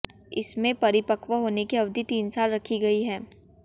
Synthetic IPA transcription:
ɪ̰smẽpɐɾɪpəkʋəɦoːnekiɐʋd̪ʱit̪iːnsaːlɾɐkʰiɡɐiɦɛː

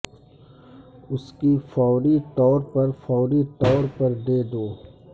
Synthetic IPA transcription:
ʊskifɔːɾit̪ɔːɾpɐɾfɔːɾit̪ɔːɾpɐɾd̪eːd̪oː

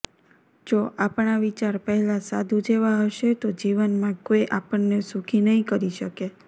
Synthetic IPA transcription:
d͡ʒoʔapɳaʋit͡ʃaɾpəɦɛlasad̪ʱũd͡ʒeʋaɦəʃet̪od͡ʒiʋənmãkojʔapəɳːesukʰinəɦĩkəɾiʃəke

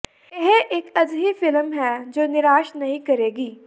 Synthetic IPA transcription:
eɦeʔeːkɐzɦifɪlmɦɛːd͡ʒoːnɪɾaːʃnɐɦĩkɐɾeːɡiː

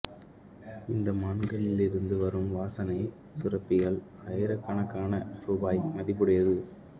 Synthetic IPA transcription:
ɪnd̪ɐmaːɳɡɐɭɪlɪɾɯnd̪ɯʋɐɾɯmʋaːsɐnɐɪ | sʊrɐpːɪɣɐɭ | ɐɪɾɐkːɐɳɐkːaːnɐɾubaːjmɐðɪpːɯɽɐjɐðɯ

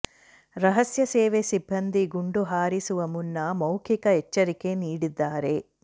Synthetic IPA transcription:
ɾɐɦɐsjɐseːʋesibʱːɐnd̪ʱiɡuɳɖuɦaːɾisuʋɐmunːɐmɐwkʰikɐet͡ʃːɐɾike̞niːɽid̪ːaːɾe̞

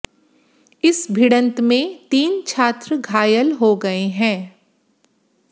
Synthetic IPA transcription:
ɪsbʱɪɽə̃nt̪mẽt̪iːnt͡ʃʰaːt̪ɾəɡʱaːjəlɦoɡɐeɦɛ̃ː

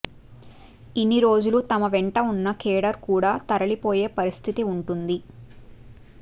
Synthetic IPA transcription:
inːiɾo̞ːd͡ʒulut̪ɐmɐʋɛɳʈɐunːɐkɛːɽɐɾkuːɽaːt̪ɐɾɐlipoːje̞ːpɐɾist̪ʰit̪iuɳʈund̪i

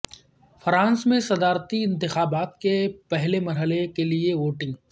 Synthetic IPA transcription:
fʰɾãːnsmẽsɐd̪aːɾt̪iɪ̃nt̪ɪxaːbaːt̪kepɛɦlemɐɾɦəlekelieʋoːʈɪ̃ŋɡ

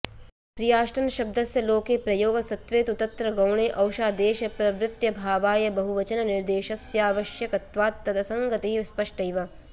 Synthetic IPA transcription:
pɾijaːʃʈɐnɐʃɐb̚d̪ɐsjɐloːkeːpɾɐjoːɡɐsɐt̪ʋeːt̪ut̪ɐnt̪ɾɐɡɐwɳeːʔɐwʃaːd̪eːʃɐpɾɐʋɾɪt̪jɐbʱaːʋaːjɐbɐɦuʋɐt͡ʃɐnɐnɪɾd̪eːʃɐsjaːʋɐʃjɐkɐt̪ʋaːt̪ːɐd̪ɐsɐŋɡɐt̪iɦispɐʂʈɐjʋɐ

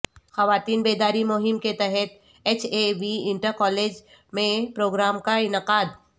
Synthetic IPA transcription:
xɐʋaːt̪iːnbeːd̪aːɾimʊɦɪmket̪ɛɦɛt̪ | eːt͡ʃʰeʋiɪ̃ɳʈəɾkɔːleːd͡ʒ | mẽpɾoːɡɾaːmkaɪnɪqaːd̪

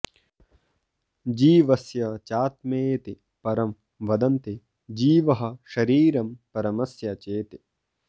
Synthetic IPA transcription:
d͡ʒiːʋɐsjɐt͡ʃaːt̪meːt̪i | pɐɾɐm | ʋɐd̪ɐnt̪i | d͡ʒiːʋɐɦɐ̆ʃɐɾiːɾɐmpɐɾɐmɐsjɐt͡ʃeːt̪i

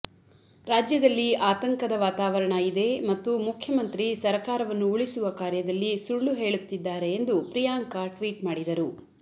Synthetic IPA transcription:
ɾaːd͡ʒjɐd̪ɐlːiaːt̪ɐŋkɐd̪ɐʋaːt̪aːʋɐɾɐɳɐid̪e̞mɐt̪ːumukʰjɐmɐnt̪ɾisɐɾkaːɾɐʋɐnːuuɭisuʋɐkaːɾjɐd̪ɐlːisuɭːuɦe̞ːɭut̪ːid̪ːaːɾe̞ːnd̪upɾijaːŋkaʈʋiːʈmaːɽid̪ɐɾu

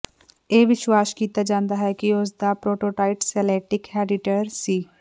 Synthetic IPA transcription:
eːʋɪʃwaːskiːt̪ad͡ʒãːnd̪aɦɛkiʊs̬d̪apɾoːʈoːʈaːɪʈsɛːleːʈɪkhɛːɖɪʈəɾsiː

